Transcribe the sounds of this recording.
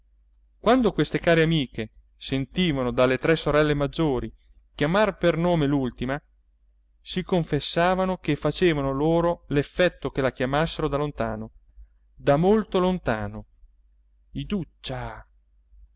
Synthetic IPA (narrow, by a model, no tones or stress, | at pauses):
kwand̪okwest̪ekaːɾeamiːke | sent̪iːvanod̪alːet̪ɾɛsːoɾɛlːemad͡ʒːoːɾi | kjamarpernoːmelult̪ima | sikoɱfesːaːvanokefːat͡ʃeːvanoloːɾolefːɛt̪ːokelakjamasːeɾod̪alont̪aːno | d̪amolt̪olont̪aːno | id̪ut͡ʃːa